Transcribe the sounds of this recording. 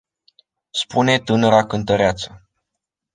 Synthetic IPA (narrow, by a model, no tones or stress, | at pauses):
spune̞t̪ɨnəɾakɨnt̪əɾeat̪sə